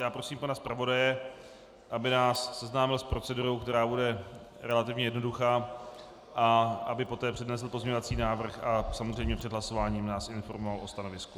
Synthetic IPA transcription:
jaːpɾosiːmpanaspɾavo̞dajɛ | ʔabɪnaːsːɛznaːmɪlspɾo̞t͡sɛduɾo̞wkt̪ɛɾaːbudɛ | ɾɛlat̪ɪvɲɛjɛdno̞duxaː | ʔaʔabɪpo̞t̪ɛːpr̝̥ɛdnɛs̬l̩po̞zɲeɲovat͡siːnaːvr̩xʔasamozrɛjmɲɛpr̝̥ɛd̪ɦlaso̞vaːɲiːmnaːsʔɪnfo̞ɾmovalʔo̞st̪ano̞vɪsku

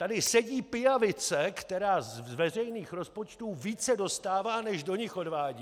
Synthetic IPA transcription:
t̪adɪsɛɟiːpɪjavɪt͡sɛkt̪ɛɾaːzvɛrɛjniːxɾo̞spo̞t͡ʃt̪uːviːt͡sɛdo̞st̪aːvaːnɛʒdo̞ɲɪxo̞dvaːɟiː

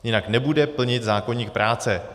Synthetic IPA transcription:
jɪnaknɛbudɛpl̩ɲɪt̪zaːkoɲiːk̚pɾʔaːt͡sɛ

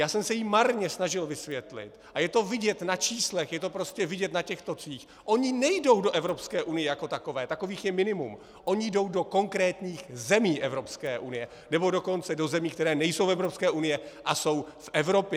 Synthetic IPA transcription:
jaːsɛmsɛjimaɾɲɛsnaʒɪlvɪsvjɛt̪lɪ̰t̪ʔajɛt̪o̞vɪɟɛt̪nat͡ʃiːslɛxjɛt̪o̞pɾo̞scɛvɪɟɛt̪nacɛxt̪o̞t͡siːx | ʔo̞ɲɪnɛjdo̞wdo̞ʔɛvɾo̞pskɛːʔunɪjɛjako̞t̪ako̞vɛːt̪ako̞viːxjɛmɪnɪmṵm | ʔo̞ɲɪjdo̞wdo̞ko̞ŋkɾɛːt̪ɲiːxzɛmiːʔɛvɾopskɛːʔunɪjɛ | nɛbo̞do̞ko̞nt͡sɛdo̞zɛmiːkt̪ɛɾɛːnɛjsowfɛvɾo̞pskɛːʔunɪjɛʔaso̞wfʔɛvɾo̞pjɛ

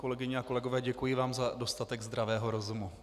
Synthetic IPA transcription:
ko̞lɛɡɪɲɛako̞lɛɡo̞vɛːɟɛkujɪvaːmzado̞st̪at̪ɛɡzd̪ɾavɛːɦo̞ɾo̞zumu

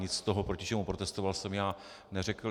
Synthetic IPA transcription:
ɲɪt͡st̪o̞ɦopɾo̞cɪt͡ʃɛmupɾot̪ɛst̪o̞valsɛmjaː | nɛrɛkl

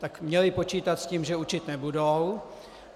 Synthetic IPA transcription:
t̪akmɲɛlɪpo̞t͡ʃiːt̪at̪sciːmʒɛut͡ʃɪt̪nɛbudow

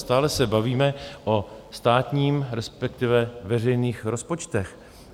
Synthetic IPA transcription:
st̪aːlɛsɛbaviːmɛʔost̪aːt̪ɲiːmɾɛspɛkt̪ɪvɛvɛr̝ɛjniːxɾo̞spo̞t͡ʃt̪ɛx

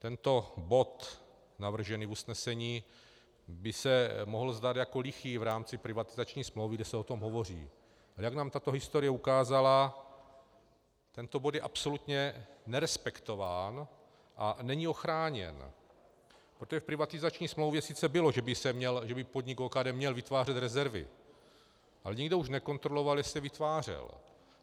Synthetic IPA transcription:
t̪ɛnt̪o̞bo̞t̪ | navr̩ʒɛniːvusnɛsɛɲiː | bɪsɛmoɦl̩zd̪aːd̪jako̞lɪxiːvɾaːmt͡sɪpɾɪvat̪ɪzat͡ʃɲiːsmlowvɪɡdɛsɛot̪o̞mɦovo̞r̝ḭː | alɛjaɡnaːmt̪at̪o̞ɦɪst̪oɾɪjɛukaːzala | t̪ɛnt̪o̞bot̪jɛʔapso̞lut̪ɲɛnɛɾɛspɛkt̪o̞vaːn | ʔanɛɲɪo̞xɾaːɲɛ̰n | pɾot̪oʒɛfpɾɪvat̪ɪzat͡ʃɲiːsmlowvjɛsɪt͡sɛbɪlo̞ʒɛbɪsɛmɲɛlʒɛbɪpo̞dɲɪkoːkaːdɛːmɲɛlvɪt̪vaːrɛt̪ɾɛzɛɾvɪ̰ | ʔalɛɲɪɡdouʃnɛko̞nt̪ɾo̞lo̞valjɛsɛvɪt̪vaːr̝ɛ̰l

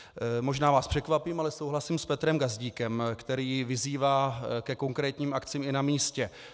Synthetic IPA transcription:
mo̞ʒnaːvaːspr̝̥ɛkvapiːmalɛsowɦlasiːmspɛt̪ɾɛmɡazɟiːkɛmkt̪ɛɾiːvɪziːvaːkɛko̞ŋkɾɛːt̪ɲiːmʔakt͡siːmɪnamiːscɛ

